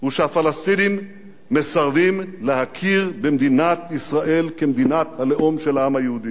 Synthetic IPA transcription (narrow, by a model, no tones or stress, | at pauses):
uʃehafalast̪inimː | esaʁvimlehakʰiʁbemd̪inat̪isʁaʔe̞lkemd̪inat̪hale̞ʔomʃelaamhajeud̪i